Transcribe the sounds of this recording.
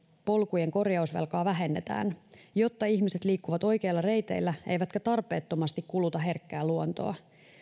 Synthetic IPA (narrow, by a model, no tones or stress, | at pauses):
po̞lkujeŋko̞rjɑusʋḛlkɑːʋæɦe̞nːe̞t̪æ̰ːnjot̪ːɑiçmiset̪liːkːuʋɑt̪o̞jk̟e̞ilːɑre̞jt̪e̞̰ilːæʔejʋæt̪kæt̪ɑrpe̞ːt̪ːo̞mɑst̪ikkulut̪ɑɦe̞rkːæːlːuont̪o̰ɑ